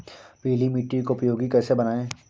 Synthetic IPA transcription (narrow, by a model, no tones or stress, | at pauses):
peːlimiːʈːɾikoʊpjoːɡikɛːsebɐnaːẽː